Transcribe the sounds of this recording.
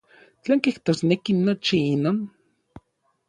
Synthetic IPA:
t͡ɬaːŋkiht̪oːsnekinot͡ʃiinoːn

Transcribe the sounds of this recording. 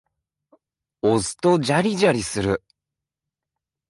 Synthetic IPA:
ozɨ̥t̪od͡ʑaɾʲiʑaɾʲisɨɾɯ̟

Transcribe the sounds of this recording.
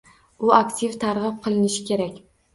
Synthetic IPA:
ʊakt̪ʲʰivt̪ʰaɾʁɨp̚qʰɨlˠɪnɪʃɪ̥kʲʰe̞ɾakʲ

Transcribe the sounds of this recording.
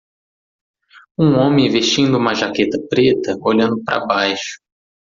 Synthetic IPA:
ũõmẽj̃veʃt͡ʃĩnd̪ʊũmɐʒaket̪ɐpɾet̪ɐoʎɐ̃nd̪ʊpɾʔɐ̰bajʃʊ̥

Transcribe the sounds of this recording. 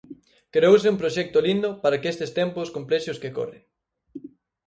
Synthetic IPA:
kɾeowsɪũmpɾoʃɛk̚t̪olind̪ʊpaɾakest̪ɪst̪ɛmpʊskomplɛʃʊskeko̰rḛ

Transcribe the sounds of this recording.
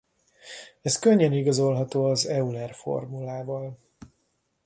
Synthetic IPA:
ɛskøɲːɛniɡɒzo̞lɦɒt̪oːɒzɛulɛrfo̞̰rmulaːvɒl

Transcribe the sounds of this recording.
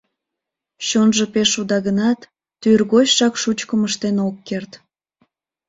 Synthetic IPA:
ɕonʒəpeʃud̪ɑɣənɑt̪ː | yrɣot͡ɕʃɑkʃut͡ɕkəməʃt̪enokːert̪

